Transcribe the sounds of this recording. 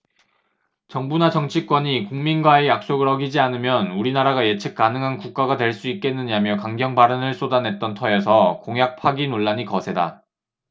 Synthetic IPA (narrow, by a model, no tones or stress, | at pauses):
t͡ɕʌŋbunat͡ɕʌŋt͡ɕʰik͈wʌɲikuŋminɡwaejak̚s͈oɡɯɭʌɡid͡ʑianɯmjʌnuɾinaɾaɡajet͡ɕʰɯk̚k͈anɯŋɦankuk̚k͈aɡadwe̞ɭs͈uit̚k͈e̞nːɯɲamjʌkaŋɡjʌŋbaɾɯnɯɭs͈odanɦe̞t̚t͈ʌntʰʌesʰʌkoŋɦjak̚pʰaɡinoɭːaɲikʌsʰe̞da